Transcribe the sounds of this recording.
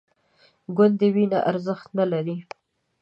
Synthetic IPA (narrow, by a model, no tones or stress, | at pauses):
ɡʊnd̪ːəwinaʔaɾzəxt̪nalaɾi